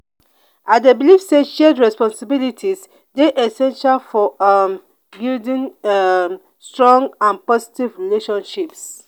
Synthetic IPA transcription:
adebilifstet͡ʃʃɛdɹɛspɔ̃nsibilitʰis | deʔɛsɛ̃nʃalfɔm | bildĩn | stɹɔ̃ŋɡãnpɔzi̥tivɹileʃɔ̃nʃips

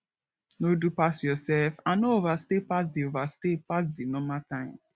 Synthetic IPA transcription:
nodupasjɔsɛlfãnoovastepas̬diovastepas̬dinɔmatãɪ̃m

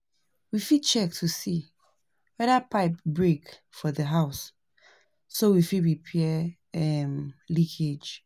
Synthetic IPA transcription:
wifid̚t͡ʃɛk̚tʰusi | wɛdapʰaɪp̚bɹek | fɔðəɦaʊs | sowifiɹipʰɛɛ | ɛmlikʰed͡ʒ

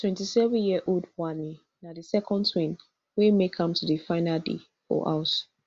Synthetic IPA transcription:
tʰwɛ̃ntisɛvə̃njiəʔodwani | nadisɛkʰɔ̃ntʰwĩn | wemekʰʌ̃mtʰudɨfãɪnadḛ | fɔ̰ʔa̰ʊs

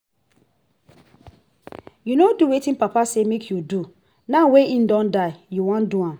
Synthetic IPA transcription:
junoduwetĩnpapasemekʰjudu | naweĩn̩dɔ̃ndaɪjuwãnduãm

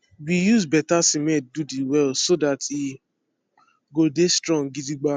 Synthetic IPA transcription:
wijuzbɛtasimɛ̃t̚dudiwɛlsodati | ɡodestɾɔ̃ŋɡidiɡ͡ba

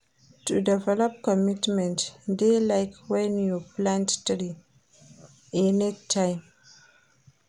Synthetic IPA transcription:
tudɛvɛlɔp̚kɔmitmɛ̃ntdelajkʰwɛnjuplãnttɾi | enetʰːajm

